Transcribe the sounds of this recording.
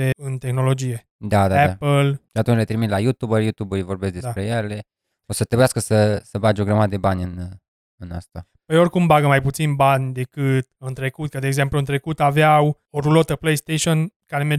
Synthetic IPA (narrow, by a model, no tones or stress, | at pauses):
eɨnt̪e̞xno̞lo̞d͡ʒije̞ | d̪ad̪aɛapəlʃiat̪unt͡ʃlet̪ɾimit̪lajut̪ubəɾjut̪ubulvo̞rbesk̚d̪esapɾe̞jele̞ | osət̪ɾebujaskəsəsəbad͡ʒeoɡɾamad̪əd̪e̞banʲɨn | ɨna̰st̪a | pəjo̞rʲkumbaɡəmajput̪sinbanʲd̪e̞kɨt̪̚ɨnt̪ɾe̞kut̪̚kəd̪eːɡze̞mpluɨnt̪ɾe̞kut̪aveaw | oɾulo̞t̪əplejst̪eʃionkaɾeme